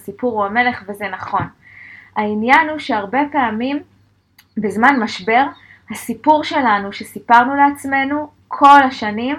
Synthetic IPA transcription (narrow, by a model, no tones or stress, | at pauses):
sipuʁuame̞le̞χve̞ze̞naχo̞n | ainjanuʃe̞aʁbe̞peamim | bezmanmaʃbe̞ʁ | hasipuʁʃe̞lanuʃesipaʁnuleat͡sme̞nu | kʰo̞laʃanim